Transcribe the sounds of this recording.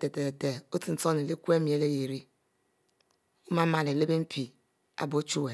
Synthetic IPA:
te˨te˨e˨te˨o˦ti˨n̩˦so˦ne˨li˦kʷe˦mi˨˦e˦le˦je˨ɾi˦ | o˦ma˦ma˨le˨le˦be˦m̩˦pi˨ | a̰˦bo˨˦t͡ʃu˦we˨

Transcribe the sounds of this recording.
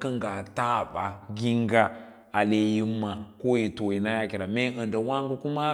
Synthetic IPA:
kə˦ŋɡa˨ta˦˨ba˨ɡi˦ŋɡa˦ | a˨le˨ji˦mːa˨ko˦ji˨to˨ji˨na˦ja˦ki˨ɾa˨me˦ə˨n˨də˨wa˦ŋɡu˦ku˦ma˦

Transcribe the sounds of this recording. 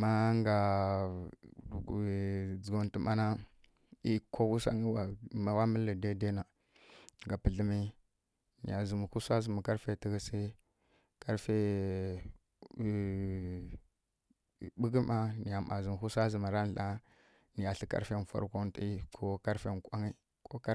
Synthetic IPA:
ma˦ŋɡa˨ | d͡zɡo˨n˦ti˨ma˦na˦ | i˦kʰo˦wu˦sa̰˦ŋi˦wa˨ma˨wa˦mə˦lə˨de˦de˦na˨ | ŋɡa˨pə˨ɮə˦mi˦ | nḭ˨ja˨zə˨m˨ku˦sa˦zə˨mu˨ka˦ɾfe˦˨ti˨ɡə˦si˦ | ka˦ɾfe˦˨˦ | ɓu˦ɡi˦ma˦ni˨ja˨ma˨zi˨m˨hu˦sʷa˦zə˨ma˨ɾa˦n˦ɬa˦ | ni˨ja˨ɬi˦ka̰˦fe˦n˨fa̰˨ɾko˦n˦ti˦kʰo˦ka˦ɾfe˦˨nkʷa˦ŋi˦ | kʰo˦ka˦

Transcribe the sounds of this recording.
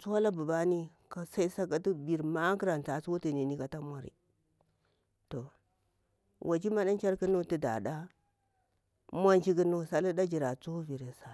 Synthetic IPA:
t͡su˦wa˦la˦bu˨ba˦ni˦ | ka˦sa˦i˦sa˦ka˦ti˦bi˨ɾma˦ki˦ɾa˨n˨ta˨su˦wu˦ti˨ni˨ni˦ka˨ta˦mʷ˦a˦ɾḭ˨ | to˨ | wʔa˨t͡ʃi˦ma˦ɗa˦n˦t͡ʃa˦ɾkə˦no˦ti˦da̰˨ɗa˦ | mʷ˦a˦nt͡ʃi˦ki˦no˦˨sa˦li˦da˦d͡ʒi˨ɾa˨t͡so˦vi˨ɾe˨sa˨

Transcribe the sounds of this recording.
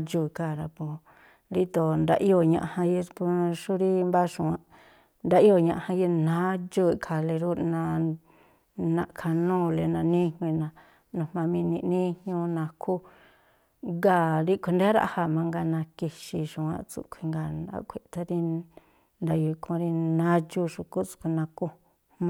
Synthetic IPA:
t͡ʃu˧i˧ka˧˨ɾa˧põ˧ | ɾi˦t̪o˨nd̪a̰˧ʔi˦o˧˨ɲã̰˧ʔhã˧ji˧pu˧ʃu˦ɾi˦mba˦ʃũ˧˨ã˧ | nd̪a˧ʔi˦o˧˨ɲã˧ʔhã˧ji˧nã˨˦d͡ʒu˦i˧˨kʰa˧˨le˧ɾu˦nã˧ | nã̰˧ʔkʰa˧nũː˦le˧nã˧nĩ˦˧ŋʷĩ˧nã˧ | nũ˧hmã˧mĩ˧nĩ˧ʔnĩ˦hɲũ˧nã˧kʰu˦ | ɡa˧˨ɾi˦kʷʰe˧nd̪e˦ɾa̰˧ʔha˧˨mã˧ŋɡa˧nã˧ki˧ʃi˧ʃũ˨˧ã̰˧ʔt͡sṵ˧kʰʷi˧ŋɡa˧˨na̰˧kʷʰe˧˨t̪a˧ɾi˧ | nd̪a˧ju˧kʰõ˧ɾi˧nã˦t͡ʃu˦ʃu˧ku˦t͡su̥˧kʷʰi˧nã˧ku˧ | hmã˧

